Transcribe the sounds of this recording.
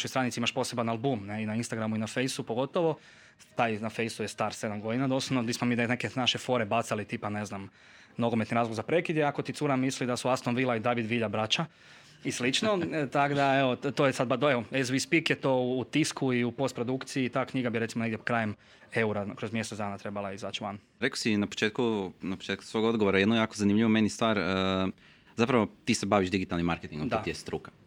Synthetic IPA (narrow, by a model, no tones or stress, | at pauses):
ʃojst̪ɾanit̪siimaʃpo̞se̞banalbumneinainst̪aɡɾamuinafe̞jsupoɡo̞t̪oʋo̞ | t̪ajnafejsujest̪aːɾse̞d̪amɡo̞d̪inad̪osonod̪ismomid̪enekenaʃefo̞ɾebat̪salit̪iːpaneznam | noɡomet̪niɾaːzloɡzapɾe̞kid̪jeako̞t̪it̪suɾamislid̪asuast̪onʋilˠaid̪aʋid̪ʋiʎabɾat͡ʃa | islit͡ʃnot̪aɡd̪aeʋot̪oːjesad̪bad̪oeoezʋispikjet̪o̞ːt̪iskuiupo̞st̪̚pɾo̞d̪ukt̪siit̪aːkɲiɡabiɾe̞t̪simoneɡd̪jekɾaːjem | e̞uɾakɾozmje̞sed̪aːnat̪ɾe̞balaiza̰t͡ʃʋan | ɾekosinapo̥t͡ʃet̪kunapo̥t͡ʃet̚ku̥sʋo̞ɡod̪ɡoʋoɾajed̪nojaːkozanimʎiʋomenjist̪ʋaːɾə | zapɾaʋot̪iːsebaʋiʒd̪iɡit̪alnimːaɾket̪iŋɡõdd̪at̪ijest̪ɾukḁ